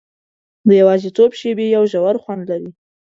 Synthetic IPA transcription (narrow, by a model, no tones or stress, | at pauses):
d̪əjawɑzit̪obʃebejawʒawaɾxwand̪laɾi